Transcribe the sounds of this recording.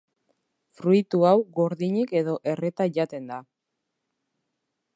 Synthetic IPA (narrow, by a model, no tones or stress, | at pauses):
fɾuit̪uawɣo̞ɾðiɲike̞ðo̞ʔe̞re̞t̪aʝat̪e̞nd̪a